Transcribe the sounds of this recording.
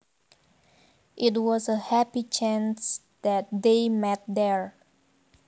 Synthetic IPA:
ʔɪt̚wɔzəhæpit͡ʃʰæ̃ns | dæt̚demɛt̚d̪ɛɹ

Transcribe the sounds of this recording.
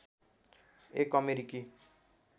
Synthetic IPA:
ekʌmeɾiki

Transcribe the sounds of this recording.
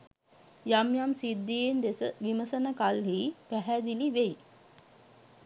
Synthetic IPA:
jamjamsid̪ːijend̪esəʋiməsənəkalɦiːpæɦæd̪iliʋej

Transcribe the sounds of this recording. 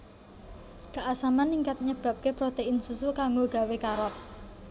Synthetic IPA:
kaʔasamanːiŋkat̪̚ɲəb̥a̤p̚kepɾot̪einsusukaŋɡoɡ̥a̤wekaɾɔt̪̚

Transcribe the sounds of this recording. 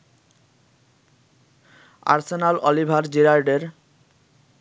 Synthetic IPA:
a̰ɾsenalɔlibʱaɾd͡ʑiɾaɾɖeɾ

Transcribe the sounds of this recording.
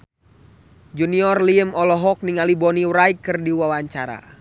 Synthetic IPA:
d͡ʒuniɔrliəmɔlɔɦɔk̚niŋalibɔniwɾaikːɨrdiwawaɲt͡ʃaɾa̰

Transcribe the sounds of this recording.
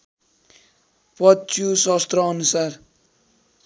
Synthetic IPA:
pʌt͡sjusʌst̪rʌːnusar

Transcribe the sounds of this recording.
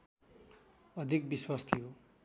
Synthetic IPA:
ʌd̪ʱik̚biswast̪ʰiɦo

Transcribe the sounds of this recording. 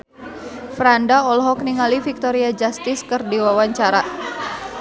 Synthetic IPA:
fɾandaɔlɦɔk̚niŋalifik̚t̪ɔɾiad͡ʒast̪ɪskɨrdiwawaɲt͡ʃaɾa

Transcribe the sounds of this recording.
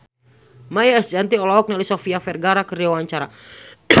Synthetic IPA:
majaɛsd͡ʒant̪iɔlɔɔk̚nalisɔfiafɛrɡaɾakəriwaɲt͡ʃaɾa

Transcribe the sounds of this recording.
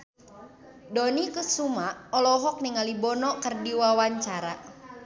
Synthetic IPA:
dɔnikəsumaɔlɔɦɔk̚niŋalibɔnɔkərdiwawaɲt͡ʃaɾa

